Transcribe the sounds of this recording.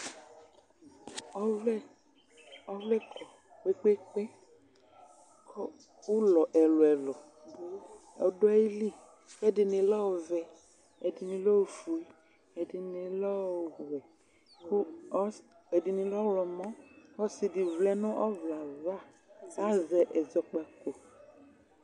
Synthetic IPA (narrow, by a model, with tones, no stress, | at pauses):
ɔ˦vlɛ˦ | ɔ˦vlɛ˦kʰɔ˨ | k͡pe˦k͡pe˦k͡pe˦ | kʰɔ˦ | u˦lɔ˨ʔɛ˨lɔ˨ɛ˨lɔ˨ | ɔ̰˨dɔ˦i˦li˦ | ɛ˦dɪ˨ne˧lɔ˦o˨vɛ˨ | ɛ˨di˨nĩ˨lɔ˦˨fu˨i˦ | ɛ˨dɪ˨ni˨lɔ˦˨ɦɛ˨ | ku˦ | ɛ˨di˨nĩ˨lɔ˦lɔ˨mɔ̃˦ɔ˦si˨di˨vlɛ˦nʊ̃˦ʔɔ˦vla˨va˦˨ | a˦zɛ˨ʔɛ˨zɔ˨k͡pa˨ko˨